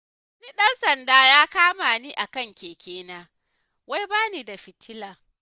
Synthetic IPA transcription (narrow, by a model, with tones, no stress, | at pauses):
ɐ˦niː˦ɗɐ˦nsɐ˨ndaː˦jaː˦kaː˦maː˨niː˦ʔa˨kɐ˦˨ŋkʲeː˨kʲeː˦naː˦ | wa˦jbaː˦niː˨da˨ɸɪ˨tːɪ˦laː˨